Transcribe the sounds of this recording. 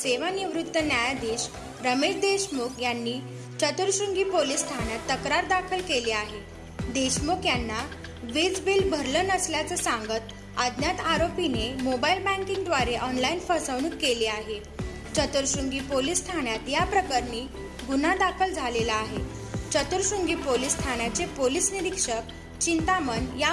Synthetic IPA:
seʋaniʋɾut̪ːənjajad̪eɕ | ɾəmeɕd̪eɕmokjanːiː | t͡ɕət̪əɾɕuŋɡiːpolist̪ʰañjat̪ːəkɾaɾd̪akʰəlkeleaɦe | d̪eɕmokjanːa | ʋid͡zbilbʱəɾlənəsljat͡səsãŋɡət̪ | ad̪njat̪aɾopinemobailbæ̃ŋkiŋɡd̪ʋaɾeʔɔnlainfəsəʋɽ̃uːkkeleːaɦe | t͡ɕət̪uɾɕuŋɡiːpolisːt̪ʰanjat̪japɾəkəɾniː | ɡunad̪akʰəld͡zʱalelaːɦe | t͡ɕət̪uɾɕuŋɡiːpolisːt̪ʰaɽ̃jat͡sepolisniɾikʂək̚ | t͡ɕint̪amənja

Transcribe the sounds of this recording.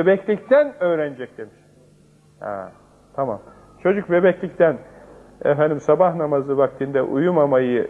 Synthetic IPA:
bebɛclʲict̪ʰænøːɾænd͡ʒɛc̚d̪emiʃ | hɛ̰ | t̪ʰama̰m | t͡ʃʰo̞d͡ʒuk̚bebɛclʲic̚t̪ʰæn | ɛ̰fænd̪imsabahnamazɯvak̚t̪ʰind̪ɛʔujumamajɯ

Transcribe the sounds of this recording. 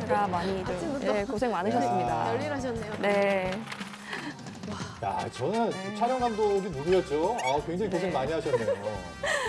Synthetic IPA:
eɡamaɲit͡ɕʰijekos̬ʰe̞ŋmanɯɕʰʌts͈ɯmɲida̰ʌʎːiɾɦaɕ̬ʰʌnːejone̞ | aja̰t͡ɕʌnɯnt͡ɕʰaɾjʌŋɦamdoɡimuɾɯjʌt̚t͡ɕ͈oakweŋd͡ʑaŋikossʰeŋmaɲiɦaɕʰʌnnːeoo

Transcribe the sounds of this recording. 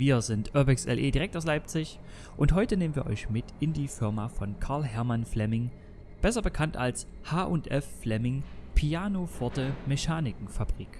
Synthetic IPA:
viːɐzɪntʰʔœɐbɛksɛ̰lʔeːdiʁɛk̚taʊs̬laɪp̚t͡sɪç | ʔʊnthɔʏtəneːmənviːɐʔɔ̰ʏçmɪtɪndiːfɪɐmafɔnkʰaɐlɦɛɐmanflɛmɪŋ | b̥ɛsɐbəkʰantalshaːʔʊntʔɛfːlɛmɪŋpʰiaːnofɔɐtəmɛçaːnɪkŋ̩fab̥ʁiːk

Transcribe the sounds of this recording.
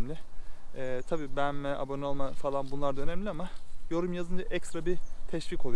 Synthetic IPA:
mlʲɪɛːt̪ʰabiːbænmɛa̰bonolˠmafalˠanbunlˠaɾd̪aønɛmlʲiamajo̞ɾumjazɯnd͡ʒaʔɛcst̪ɾabit̪ʰɛʃviːkʰo̞lˠu

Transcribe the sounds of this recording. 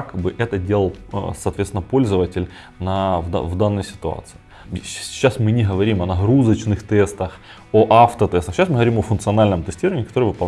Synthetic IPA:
akbɨʔɛt̪ədʲelˠəlˠsɐːt̪vʲet̪sʲɪnəpo̞lʲzəvətʲɪlʲ | nav̰vd̪anːəjəsʲɪ̥t̪ʊa̰t̪sɨ̥ɪː | asmɨnʲɪɦəvɐɾʲimɐnɐɦɾuzət͡ɕnɨxt̪ɛst̪əx | oʔaft̪ət̪ɛst̪əxɕasmɨɦəvɐɾʲimɐfʊnt̪sɨɐnalʲnəmt̪ɨsʲtʲiɾəvənʲɪkɐt̪o̞ɾɨjvɨpɐ

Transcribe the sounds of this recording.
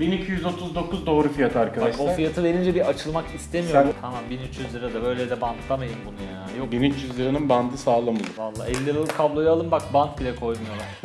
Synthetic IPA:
binicʰijyzo̞t̪ʰuzd̪o̞kuzd̪o̞ːɾufijat̪ʰɯaɾkad̪aʃoafijat̪ʰɯve̞ɾind͡ʒɛbiʔat͡ʃʰɯlˠmakist̪ʰemisjoɾmt̪ʰamanbinyt͡ʃjyzlʲiɾad̪ɛbø̞jlʲɛd̪ɛbant̪ʰlˠamajɯmbunujaaːjobinyt͡ʃjyzlʲiɾininband̪ɯsaːlˠamad̪uvalˠːa̰ːɛlʲːiɾalˠɯkʰablˠo̞jaalˠɯmbakbant̪̚bilʲɛkʰo̞jmɯjo̞lˠum

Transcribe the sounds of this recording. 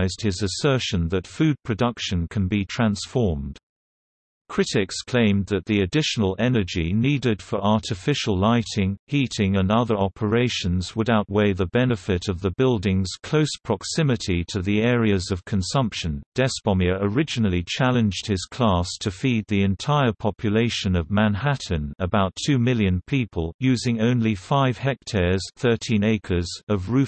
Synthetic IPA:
ɪzd̥̚hɪzɨsɜ˞ʃɨ̃nðɨtfʉd̚pʰɹ̥ɨdʌkʃɨ̃nkʰɨ̃nbitʰɹ̥æ̃nsfɔɹmd̥ | kʰɹ̥ɪɾɪkskʰl̥ẽɪ̃mðɨt̪̚ðiɨdɪʃənl̩ˠɛnə˞d͡ʒinidɪd̥fə˞ɑɹɾɨfɪʃəl̩ˠlaɪɾɪ̃ŋhiɾɪ̃ŋə̃nʌðə˞ɑpʰə˞eɪʃɨ̃nzwəɾaʊʔ̚weɪðəbɛnɨfɪɾʌvðəbɪlˠdɪ̃ŋz̥kʰl̥oʊspʰɹ̥ɑksɪ̃mɨɾiɾʰɨðiɛɹiɨzʌv̥kʰɨ̃nsʌ̃mpʃɨ̃nd̥ɛspɑmjɨʔə˞ɪd͡ʒɨnl̩ˠit͡ʃʰælˠɨ̃nd͡ʒd̥̚hɨz̥kʰl̥ɑstʰɨfid̪̚ðiɨ̃ntʰaɪə˞pʰɑpʰjɨleɪʃɨ̃nʌvmæ̃nhæʔn̩ɨbaʊtʰʉmɪlˠjɨ̃npʰipʰəlˠjʉzɪ̃ŋõʊ̃nlifaɪv̥hɛk̚tʰɛɹz̥θɜ˞tʰĩneɪkʰə˞zʌvɹʉ

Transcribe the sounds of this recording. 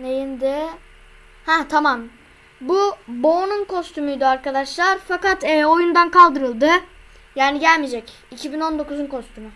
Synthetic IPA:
nejind̪ɪ | hɛt̪ʰamam | bubo̞ːnunkʰo̞st̪ʰymujd̪iaɾkad̪aʃlˠaɾfakat̪ɛːo̞jund̪ankʰalˠd̪ɯɾɯlˠd̪ɯ | jaːniɟælʲmid͡ʒɛc | icʰibino̞nd̪o̞kuzunkʰo̞st̪ʰymʊ

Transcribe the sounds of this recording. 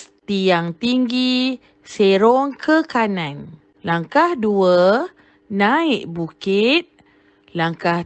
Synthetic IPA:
t̪ijaŋt̪iŋɡi | seɾɔŋkʰəkanan | laŋkahduə | naiʔbukit̪̚ | laŋkah

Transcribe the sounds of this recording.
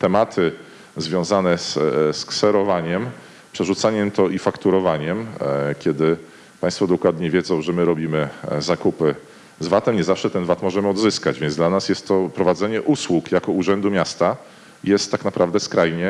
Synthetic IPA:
t̪ɛmat̪ʰɘ | zvʲjɔ̃w̃zanɛssksɛɾɔvaɲɛm | pʂɛʐut̪saɲɛmt̪ɔʔifakt̪uɾɔvaɲɛmkʲɛd̪ɘ | paj̃st̪fɔd̪ɔkwad̪ɲɛvʲjɛd̪zɔ̃w̃ʐɛmɘɾɔbʲimɘzakupɘ | zvat̪ɛmɲɛzafʂɛt̪ɛnvat̪mɔʐɛmɘɔd̪zɘskad͡ʑvʲɛnd̪lanasjɛst̪ːɔpɾɔvad̪zɛɲɛʔuswukjakɔuʐɛnd̪umʲjast̪a | jɛst̪ːaknapɾʔavd̪ɛskɾajɲɛ

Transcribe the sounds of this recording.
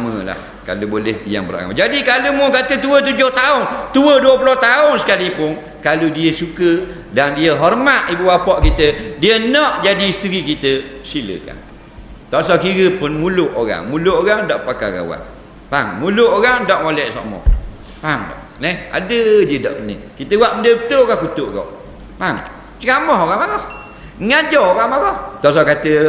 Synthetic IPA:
aməla̰h | ka̰lubolɛhbija̰ŋbəɾa̰ŋa̰d͡ʒadikalumʊkat̪ət̪uət̪̬ud͡ʒʊht̪aʊnt̪uəduəpuloht̪aʊŋsə̥kalipʊn | kaludiəsukə | dandiəɦɔrmaʔ̪ibuwapɔʔkit̪ədiənɔʔd͡ʒadisə̥t̪əɾikit̪əsilə̰ka̰n | t̪ɔʔsɔʔkiɾəpʊnmulʊʔoɣa̰ŋmulʊʔoɣaŋdɔʔpaka̰ɣa̰wa̰ʔ | paŋmulʊʔoɣaŋdɔʔmolɛʔsa̰mɔ̰h | paŋdɔ̰ʔnɛha̰dəd͡ʒədɔ̰ʔkənə̰kit̪əwaʔməndəbət̪oʔoɣahkut̪ʊʔɡɔ̰ʔ | paŋ | t͡ʃəkamɔɦoɣaŋmaɣɔh | ŋad͡ʒɔoɣaŋmaɾɔht̪ɔʔs̬ɔkat̪ə

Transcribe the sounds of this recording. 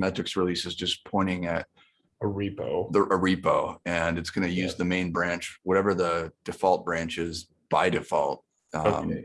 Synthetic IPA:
mɛtɹ̥ɨksɹilisɨzd͡ʒʌspʰɔ̃ɪ̃ɾ̃ɪ̃ŋɨɾ̚ | əɹipo̰ʊðəʔəɹipoʊɨ̃nɨtsɡ̥ʌnɨjʉzðɨmẽɪ̃nbɹæ̃nt͡ʃwʌɾɛvə˞ðəd̥ɨfɑlˠt̚b̥ɹæ̃nt͡ʃɪz | b̥aɪdɨfɔ̰lˠt̚ | ʌ̃m

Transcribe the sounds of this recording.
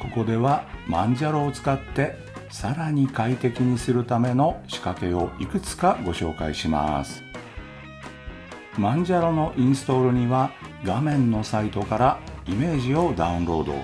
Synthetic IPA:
ko̞ko̞d̪e̞βamãɲd͡ʑaɾo̞ːt͡sɨ̥kat̪ːe̞ | saɾaɲ̟ikait̪e̞kʲiɲ̟isɨɾɯ̟t̪ame̞no̞ɕi̥kake̞o̞ikɯ̟t͡sɨ̥kaɡo̞ɕo̞ːka̰iɕima̰sɨ̥ | mãɲd͡ʑaɾo̞no̞ʔĩɰ̃sɨ̥t̪o̞ɾɯ̟ɲ̟iβa | ɡamẽ̞nːo̞sait̪o̞kaɾaime̞ːʑio̞d̪aɯ̟̃nɾo̞ːd̪o̞̰

